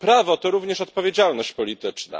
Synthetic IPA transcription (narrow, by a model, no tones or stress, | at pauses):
pɾavɔt̪ɔɾuvɲɛʂɔt̪̚pɔvʲjed͡ʑalnɔɕt͡ɕpɔlʲit̪ɘt͡ʂna̰